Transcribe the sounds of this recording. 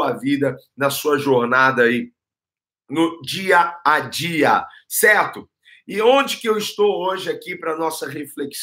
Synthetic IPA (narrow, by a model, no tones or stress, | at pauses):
ɐvid̪ɐnɐsuɐʒoɾnad̪ɐi | nʊd͡ʒiɐad͡ʒiɐsɛɾt̪ʊ | ɪõd͡ʒɪkɪewɪst̪owoʒɪakipɾɐnɔsɐɦefleks